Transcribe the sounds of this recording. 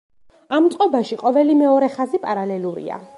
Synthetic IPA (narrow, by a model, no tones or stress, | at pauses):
amt̪sʼqʼɔbaʃiqʼɔvɛlimɛɔɾɛχazipʼaɾalɛluɾḭa̰